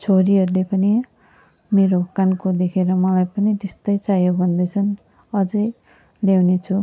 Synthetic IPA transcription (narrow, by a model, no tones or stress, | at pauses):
t͡sʰoɾiɦʌɾulepʌni | meɾokankod̪ekʰeɾʌmʌlajpʌnit̪est̪ʌjt͡sajobʱʌnd̪ʌjt͡sʰʌn | ʌd͡zʌj | lewnet͡sʰu